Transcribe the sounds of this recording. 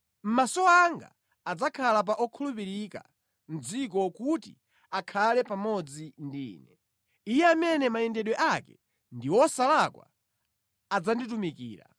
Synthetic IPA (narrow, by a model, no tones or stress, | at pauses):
m̩masɔaŋɡa̰ː | d͡zakʰalap̬aʔɔkʰulupiɾika̰ | m̩d͡zik̬ɔkutḭ | akʰalɛpamɔd͡zindḭːnɛ | ijɛamɛnɛmaɛndɛɗwɛʔakɛ | ndiwɔsalakwa̰ | ad͡zanditumikḭːɾa̰